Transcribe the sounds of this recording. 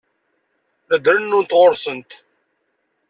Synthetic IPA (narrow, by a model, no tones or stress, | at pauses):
əd̪ɾənːunt̪ʁʊɾsənt̪